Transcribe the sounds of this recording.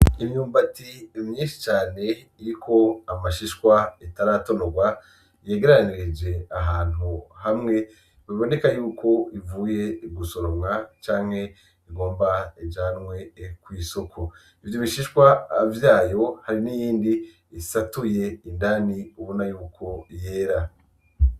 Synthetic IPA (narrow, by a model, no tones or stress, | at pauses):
imɲuːmbatiimɲiːnʃi̥t͡ʃaːne̞ | iɾikʰo̞amaʃiʃkwaitaɾato̞noɡwa | je̞ːɡe̞ɾaniɾed͡ʒe̞aɦaːn̥uhamŋe̞ | βiβo̞ne̞kajuːko̞ivuːje̞iɡuso̞ɾomŋat͡ʃaːŋ̥he̞ | iɡo̞ːmbaid͡ʒaːnŋwe̞kwiːso̞kʰo | ivjoβiʃiʃkwaːvjaːjo̞haɾinijiːndiː | satuje̞indaniuβonajuːkʰo̞je̞ːɾa